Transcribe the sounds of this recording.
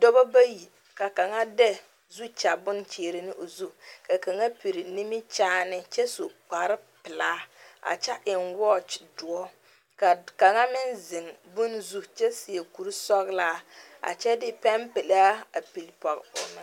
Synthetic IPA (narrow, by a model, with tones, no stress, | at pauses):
dɔ˦bɔ˦ba˦ji˨ | ka˨ka˨ŋa˦dɛ˦ | zu˦t͡ʃa˨bʊ˦n˦t͡ʃeː˨ɾɪ˦nɪ˦ʔo˨zu˦ka˨ka˨ŋa˦pi˨ɾi˨li˦mɪ˦t͡ʃaː˦nɪ˦t͡ʃɛ˦so˨k͡pa˨ɾɪ˦pɪ˨laː˦a̰˨t͡ʃa˦ʔɪ˨nwɔ˦t͡ʃdʊ˨ɔ˦ | ka˨ka˨ŋa˦mɪ˦nzɪ˨ŋbʊ˦nzu˦t͡ʃɛ˦si˨e˨ku˨ɾi˦sɔ˦ɣlaː˦ | a̰˨t͡ʃɛ˦dɪ˦pɛ˦mpe˨la˦a˨pi˨lpɔ˨ɣpʊ̰˨nɪ˦